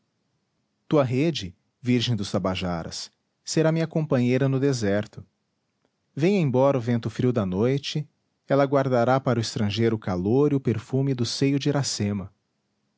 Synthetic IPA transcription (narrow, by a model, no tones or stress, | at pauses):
t̪uɐɦed͡ʒɪ | viɾʒẽj̃d̪ʊst̪abaʒaɾɐ̰sː | eɾamiɲɐkõpɐ̃ɲejɾɐnʊd̪ezɛɾt̪ʊ | vẽj̃ẽbɔɾɐʊvẽnt̪ʊfɾiwd̪ɐnojt͡ʃɪ | ɛlɐɡwaɾd̪aɾapaɾʊɪst̪ɾɐ̃ʒejɾʊkaloɾiʊpeɾfumɪd̪ʊsejʊd͡ʒɪɾasẽmɐ